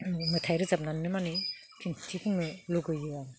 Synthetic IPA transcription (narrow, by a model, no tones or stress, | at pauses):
mɯtʰajɾɯzap̚nanːɯmani | kʰintʰipʰɯŋɯluɡɯjɯa